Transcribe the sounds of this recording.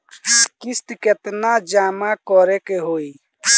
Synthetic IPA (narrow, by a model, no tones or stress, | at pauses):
kist̪iket̪nad͡ʒaːmakɔɾekeɦoi